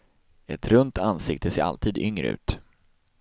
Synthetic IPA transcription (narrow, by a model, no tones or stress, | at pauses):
ɛt̪ɾɵnt̪ʰansɪkt̪əseːɾa̰lt̪ʰiːd̪ʏŋɾə̰ʉ̟̰ːt̪